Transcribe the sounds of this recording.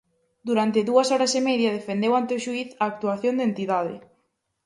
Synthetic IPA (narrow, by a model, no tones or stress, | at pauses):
d̪uɾant̪ɪðuɐsɔɾɐsemɛðjɐðefend̪ewant̪eʊʃuiθɐːk̚t̪uaθjõnd̪ent̪iðaðɪ̰